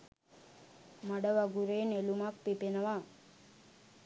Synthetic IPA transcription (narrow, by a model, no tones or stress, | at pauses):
maɖəʋaɡuɾeːnelumakpipenəʋa